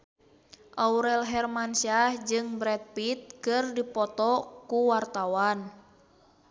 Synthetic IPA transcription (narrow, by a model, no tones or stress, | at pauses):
ʔauɾɛlɦɛrmansiahd͡ʒɨŋbɾɛt̪̚pit̪̚kɨrdipɔt̪ɔkuwart̪awan